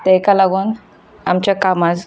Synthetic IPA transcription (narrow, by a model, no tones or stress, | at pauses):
t̪ekalaɡoːn | amt͡ɕjakamad͡z